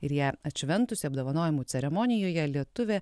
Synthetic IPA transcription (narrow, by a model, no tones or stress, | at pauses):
ɪɾjæːɐt̪ʲʃʲʋʲɛnt̪ʊsʲɪɐbd̪oːʋɐnoːjʲɪmuːt̪sʲɛɾʲɛmɔnʲɪjoːjɛlʲiɛt̪ʊʋʲe